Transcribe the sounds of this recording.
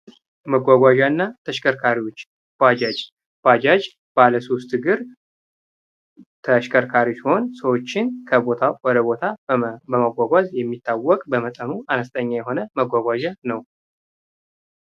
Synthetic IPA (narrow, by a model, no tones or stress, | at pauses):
məɡʷaɡʷaʒaɨnːat̪ʰəʃkʰəɾkʰaɾiwo̞t͡ʃː | b̥ʷad͡ʒad͡ʒ | b̥ad͡ʒad͡ʒ | baləsost̪ʼɡɨɾ | t̪ʰəʃkʰəɾkʰaɾiwsho̞nsəwot͡ʃːɪnkʰəbo̞t̪ʰawɔd̪əbo̞t̪ʰabəmaɡʷaɡʷazjɛmːit̪ʰːawːɔkʼbəmət̪ʼənuʔanəst̪ʼəɲːajɛɦo̞nəməɡʷaɡʷaʒanəw